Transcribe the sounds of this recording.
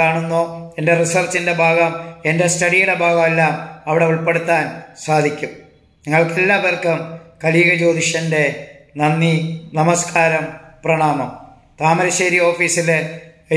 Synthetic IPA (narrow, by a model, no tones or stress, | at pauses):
aːɳunːoːe̞nderisɐrt͡ɕːinde̞bʱaːɡɐme̞nde̞stɐɽijuɽe̞bʱaːɣɐmelːaːmɐʋiɽe̞uɭpeɽut̪ːaːnsaːd̪ʱikʲːum | niŋːɐɭkelːaːbɐrkɨmkɐliːɣɐd͡ʑo̞ːd̪iɕɐnde̞nɐnːinɐmɐskʰaːɾɐmprɐɳaːmɐm | t̪aːmɐɾɐɕeːɾio̞ːfiːsil